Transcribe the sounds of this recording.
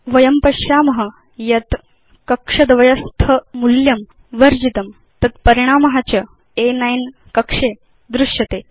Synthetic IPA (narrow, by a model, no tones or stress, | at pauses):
ʋɐjɐmpɐɕjaːmɐɦə | jɐt̪ | kɐkʂɐd̪ʋɐjɐst̪ʰəmuljɐm | ʋɐɾd͡ʑit̪ɐm | t̪ɐt̪̚pɐɾiɽ̃aːmɐɦat͡ɕɐ | enajn | kɐkʂe | d̪ɾuʂjɐt̪eː